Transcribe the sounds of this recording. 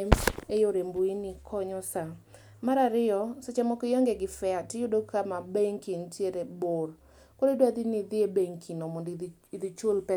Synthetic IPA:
mejoɾembuinikʰɔɲɔsa | maɾaɾɪɔsot͡ʃamɔkejɔŋɡeɡɪfɛatɪjʊdokamabeŋkintjeɾebʊr | kododwad̪inid̪ɪebeŋkʰinɔmɔndi | id̪it͡ʃolpɛ

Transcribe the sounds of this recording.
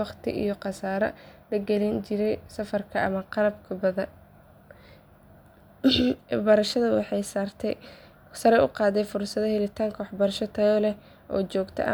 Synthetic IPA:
ɑqt̪ʰɪ̰ʔḭjɔqɑsaːɾɐ̰lɐɡɛlint͡ʃɪɾɛjsɐfɐrkʰɐɐ̰mɐqɑlɐbkʰɐbɐðɐn | bɐɾɐʃɐðɐwɑ̰ħɑjsaːrt̪ʰɛj | sɐɾɛjʔʊqɑːðɛjfʊrsɐðɐhɛlɪt̪ʰaːŋkʰɐwħbɐɾɐʃɔt̪ʰɐɣɔlɛ | ʔɔ̰ːt͡ʃɔːɡt̪ʰɛ̰ʔɐ̰

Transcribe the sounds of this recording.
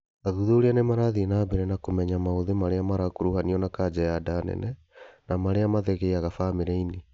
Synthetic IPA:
aðuðoɾianemaɾaðinabeɾɛnakomɛɲamaoðemaɾeamaɾakoɾuhaniɔnakad͡ʒɛjadanɛ̰nɛ | namaɾeamaðɛɣeiaɣafaːmeɾɛine

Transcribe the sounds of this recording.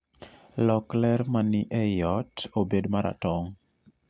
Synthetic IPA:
lɔklɛɾmanɪʔɛjɔtobedmaɾʔa̰tɔŋ

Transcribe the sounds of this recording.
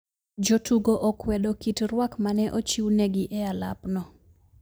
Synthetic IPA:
d͡ʒotuɡoʔɔkwɛdokitrwakmanɛʔot͡ʃiwnɛɡɪʔɛala̰pnɔ

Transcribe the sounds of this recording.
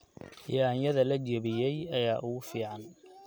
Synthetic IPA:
jaːnjɐðɐlɐt͡ʃɛβɪjɛjɐjaːʔʊɣʊfiːʕɑn

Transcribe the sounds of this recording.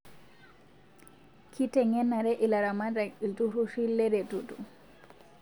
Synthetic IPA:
kitɛŋɛnːaɾɛʔilaɾamadailtuɾusilːɛdɛtutṵ

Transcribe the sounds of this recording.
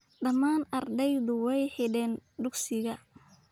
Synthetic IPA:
ɖɐmaːnɐrd̪ɛjðʊwɛjħɪɖɛːnɖʊɡsɪɣɐ

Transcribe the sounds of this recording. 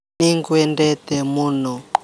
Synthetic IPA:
iŋkwɛndɛtɛmunɔ

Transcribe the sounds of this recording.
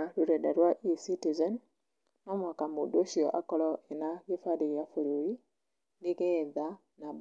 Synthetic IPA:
ɾuɾɛdaɾwaʔisitizɔn | nɔmwakamudoʃiɔ̰ʔakɔlɔenaɣefaɾejafuɾoɾi | ndiɣɛða | nab

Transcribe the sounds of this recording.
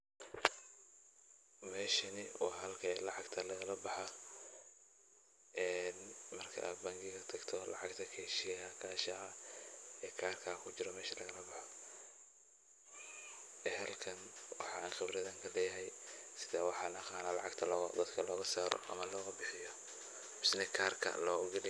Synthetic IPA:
mɛːʃɐnɪwɑːɦɐlkʰɐlɑʕɑɡt̪ʰɐlɐɣɐlɐbɑħa | ʔɛːnmɐrkʰɐ̰ʔa̰ːd̪bɐŋɡɪɣɐt̪ʰɐɡt̪ʰɔlɑ̰ʕɑɡt̪ʰɐkʰɛʃɪjɛjɐkʰaːʃɐɐ | ɛːkʰaːrkʰakʰʊt͡ʃɪɾɔmɛːʃɐlɐɣɐlɐbɑħɔ | ɛɦɐlkʰɐnwɑħɑaːnxɪbɾɐðɐŋkʰɐlɛːjɐɦɛjsɪðaːwɑħɑnɐqɑːnaːlɑʕɑɡt̪ʰɐlɔd̪ɐd̪kʰɐlɔːɣɐsaːɾɔ̰ʔɐ̰mɐlɔːɣɐbɪħɪjɔ | mɪsnɛkʰaːrkʰɐ̰lɔːɡɛlɪ

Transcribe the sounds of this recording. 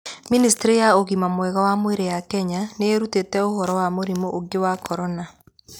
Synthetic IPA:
ministeɾejaoɣimamwɛɣɔwamweɾejakɛɲaneeɾutetɛohɔɾɔwamoɾimoʔoɡewakʰɔɾɔna

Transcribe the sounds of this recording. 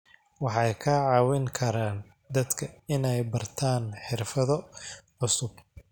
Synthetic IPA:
wɑħɑjkʰaʕɑːwɪŋkʰɐɾaːn | d̪ɐd̪kʰɐɪnɛjbɐrt̪ʰaːnħɪrfɐðɔʕʊsʊb

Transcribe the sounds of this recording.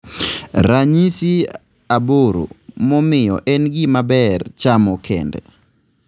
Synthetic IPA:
ɾaɲisi | aboɾo̰mɔmɪjɔ̰ʔɛnɡimabɛrt͡ʃamɔkʰɛ̰ndɛ̰

